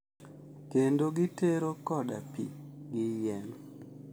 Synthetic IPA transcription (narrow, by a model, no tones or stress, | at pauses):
kendoɡiteɾokɔdapiɡɪjɛn